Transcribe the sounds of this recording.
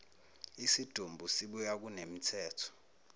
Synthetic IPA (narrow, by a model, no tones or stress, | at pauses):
isid̥ʱumbʱusiɓujak̬ʼunem̩tʰɛːtʰɔ̥